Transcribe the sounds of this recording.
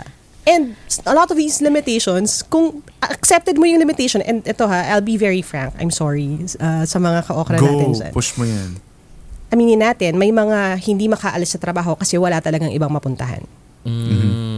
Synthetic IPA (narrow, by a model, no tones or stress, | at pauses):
ʔɛnd̪̚ʔɐlɔt̪ɔvd̪iːslɪmɪt̪eʃonskʊŋʔɐksɛp̚t̪ɛd̪mojʊŋlɪmɪt̪ejʃɔnʔɛ̃nd̪ʔɛt̪o̞ɦaʔajlbivɛɹifɹãŋkʔɐ̰jmsɔɹiʔasɐmɐŋakɐʔoːkɾɐnaːt̪ɪnd͡ʒa̰npʊʃmojann | ʔɐmiːnɪnaːt̪ɛnmɐjmɐŋahɪnd̪imɐkaʔɐlɪsːɐt̪ɾɐbaːɦo̞kɐsɛwɐlat̪ɐlɐɡaŋʔɪbaŋmɐpʊnt̪ɐɦa̰n̩